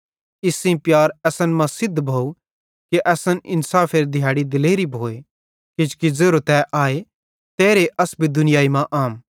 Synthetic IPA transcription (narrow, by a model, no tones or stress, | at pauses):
ɪsĩpjaːɾɛːsənmɐ̃sɪd̪ʱbʱoːu | keʔɛsənʔɪnsaːfʰeːɾd̪ʱjaːɽid̪ɪleːɾibʱoːe | kɪd͡ʒkizeːɾot̪ɛʔaːe | t̪eːɾeʔɐsbʱid̪ʊnɪjaːimãʔaːm